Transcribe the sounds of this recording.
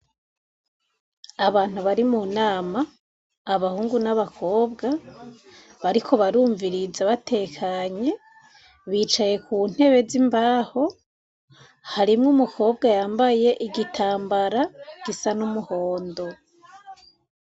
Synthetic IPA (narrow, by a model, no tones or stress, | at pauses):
aβaːn̥huβaɾimunaːmaː | βahuːŋɡunaβakʰo̞ːbɡa | βaɾikʰo̞βaɾuːɱviɾizaβatʰe̞kʰaɲe̞ | βiːt͡ʃaje̞kʰuːn̥he̞βe̞zimbaːho̞ | haɾimŋumukʰo̞ːb̚ɡajaːmbaje̞ʔiɡitʰaːmbaɾaɡ̥isanumuho̞ːndo̞